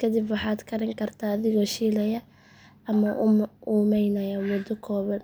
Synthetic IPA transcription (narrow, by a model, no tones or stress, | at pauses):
kʰɐd̪ɪbwɑħɑːd̪kʰɐɾɪŋkʰɐrt̪ʰaːðɪɣɔːʃiːlɐjɐ | ɐmɐʔuːmɛjnɐjawɔd̪ɔkʰɔːβɐn